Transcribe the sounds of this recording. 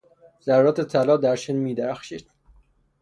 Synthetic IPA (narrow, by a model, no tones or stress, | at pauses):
z̥æɾuːɾæt̪ʰet̪ʰælɒːd̪æɾʃinmiːd̪æɾæxʃid̪̥